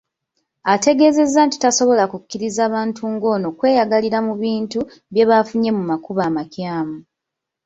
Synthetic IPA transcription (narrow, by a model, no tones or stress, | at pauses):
ate̞ɡe̞ːze̞zːaːnti̥taso̞βo̞lakukːiɾizaːβaːntʰuːŋɡo̞no̞kwe̞ːjaɡaliɾamuβiːntu | βje̞βafuɲe̞mumakuβaːmacjaːmu